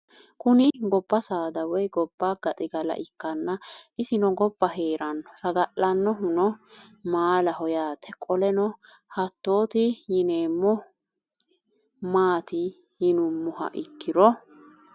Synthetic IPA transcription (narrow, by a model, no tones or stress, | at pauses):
kʊnɪɡɔbːɐsaːd̪ɐwɔjɡɔbːaɡ̥ɐt̪ʼɪɡɐlɐ̰ʔɪkːɐnːɐʔɪsɪnɔɡɔbːɐɦe̞ːɾɐnːɔsɐɡɐʔɐnːɔɦʊnɔ | maːlɐhɔjaːt̪ʰɛkʼɔlɛnɔ | hɐt̪ːo̞ːt̪ɪjɪneːmːɔ | maːt̪ɪ | jɪnʊmːʊɦɐ̰ʔɪkːɪɾɔ